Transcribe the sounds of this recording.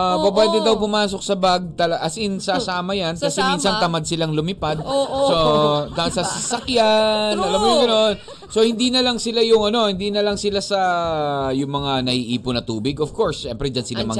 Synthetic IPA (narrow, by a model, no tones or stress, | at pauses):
abɐbajt̪ɛd̪ɐwpʊmaːso̞k̚sɐbaɡ̚t̪ɐlɐʔɐsɪnsasaːmɐjankkɐsɛminsɐnt̪ɐmad̪̚sɪlaŋlʊmɪpad̪̚sot̪ɐsɐsɪsɐkjanʔɐlamːʊjʊŋɡɐno̞n | so̞hɪnd̪inɐlɐŋsɪlajʊŋʔɐno̞hɪnd̪inɐlɐŋsɪlasɐ | jʊŋmɐŋanɐhiʔiːponɐt̪uːbɪɡov̥ko̞ɹsʃɛmpɾɛd͡ʒɐnsɪlamɐ